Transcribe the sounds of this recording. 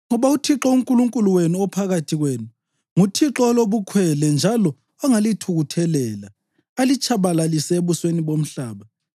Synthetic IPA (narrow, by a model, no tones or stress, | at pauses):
ŋɔβautʰiǁɔuŋkʼuluŋkʼuluwenuɔpʰaɣatʰiɣweːnu | ŋutʰiǁɔloβukʰwɛlɛnd͡ʒʱalɔː | ŋalitʰuɣutʰɛlɛla | alit͡ʃʼʰaβalaliseβusweniβom̩ɬaːβa